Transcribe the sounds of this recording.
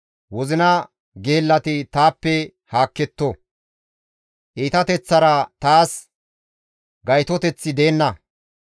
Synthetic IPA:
wɔzɪnɐ | ɡe̞ːlːɐt̪ɪt̪aːpːɛ | haːkːɛt̪ːɔ | ʔiːt̪ɐt̪ɛt͡sːɐɾɐt̪aːs | ɡɐjt̪ɔt̪ɛt͡sːɪd̪eːnːɐ

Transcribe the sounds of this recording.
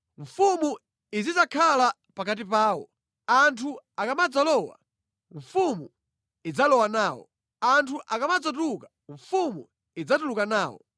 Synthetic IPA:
ɱfumu | izizakʰala | pakat̬ipaːwɔ̰ | antʰuakamad͡zalɔwa̰ | ɱfumu | id͡zalɔwanaːwɔ̰ | antʰuʔakamad͡zat̬uka | ɱfumu | id͡zatulukanaːwɔ̰

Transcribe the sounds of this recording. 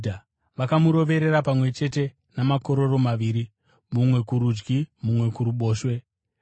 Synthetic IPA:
da | ʋakamuɾo̞ʋe̞ɾeɾapamwe̞t͡ʃe̞te̞ | namako̞ɾo̞ro̞maʋiːɾi | mumwe̞kuɾud͡ʒɡimumwe̞kuɾuɓo̞ːʃwe̞

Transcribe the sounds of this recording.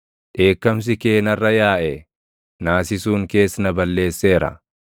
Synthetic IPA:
ᶑe̞ːkːɐms̬ɪke̞ːnɐrːɐjaːʔɛ | naːsɪsuːŋke̞ːsnɐbɐlːe̞ːsːeːɾɐ̰

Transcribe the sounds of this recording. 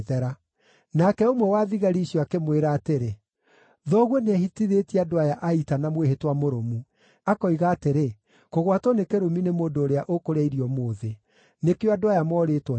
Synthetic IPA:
ðɛɾa | nakɛomwɛwaðiɣaɾiɕjɔakemweɾaːteɾe | ðɔɣwɔneahitiðetiadowajaʔaitanamweɦetwamoɾomu | akɔiɣaːteɾe | koɣwatɔnekeɾominemoːndoːɾeaʔokoɾɛiɾiɔmoːðe | nekeoadoajamɔɾetwɔ

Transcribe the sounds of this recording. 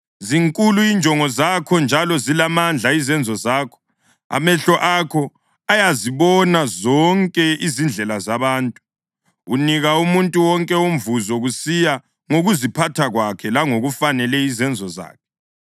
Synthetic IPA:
ziŋkʼuluind͡ʒʱɔŋɔzakʰɔnd͡ʒʱalɔzilamand͡ɮʱaizɛnd͡zʱɔzaːkʰɔ̥ | a̰mɛɬɔʔakʰɔ | ajaziβɔnazɔŋkʼɛizind͡ɮʱɛlazaβaːntʼu̥ | uniɣaumuntʼuwɔŋkʼɛum̩vuzɔɣusija | ŋoɣuzipʰatʰaɣwakʰɛlaŋoɣufanɛlɛizɛnd͡zʱɔza̰ːkʰɛ̥

